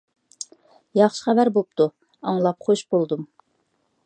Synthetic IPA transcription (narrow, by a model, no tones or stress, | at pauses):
jɑχʃə̥χæbæɾbop̚t̪ʰu | ɑŋlˠɑpχoʃbolˠd̪um